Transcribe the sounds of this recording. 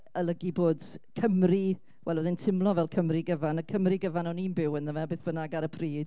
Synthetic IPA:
əlˠəɡiboːdkʰəmri | wʔɛlˠəðɪntʰɪmlˠɔvɛlˠkʰəmriɡəvanəkʰəmriɡəvanɔniːnbɪwənðəmabeːθb̥ənaɡaɾəpʰriːd̥

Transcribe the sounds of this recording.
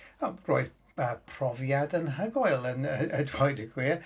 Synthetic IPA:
ɔ̥ro̰ːɨð | əpʰrɔvjadənɦəɡɔɨlˠənəədwɔɨdəɡwiː

